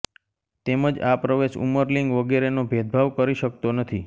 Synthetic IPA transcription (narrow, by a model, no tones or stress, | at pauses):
t̪eməd͡ʒapɾəʋeʃṵməɾliŋɡʋəɡeɾenobʱed̪̚bʱaʋkəɾiʃək̚t̪onət̪ʰi